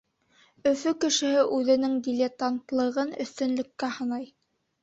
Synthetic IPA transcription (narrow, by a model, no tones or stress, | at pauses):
ɵ̆fɵkɘ̆ʃɘ̆hɘʔʉðɘ̆nɘŋd̪ʲɪlʲet̪ant̪lˠɤ̆ʁɤnɵ̰̆θt̪ɵ̆nlɵ̆kːæhɤ̆nɑj